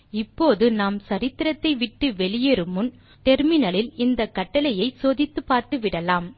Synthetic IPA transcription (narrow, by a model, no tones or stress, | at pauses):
ɪpːoːðɯnaːmsɐɾɪt̪ːɪɾɐt̪ːɐɪʋɪʈːɯʋɛɭɪjeɾɯmɯn | ʈɛɾmɪnɐlɪlɪnd̪ɐkːɐʈːɐlɐjɐɪsoːðɪt̪ːɯpːaːɾt̪ɯʋɪɽɐlaːm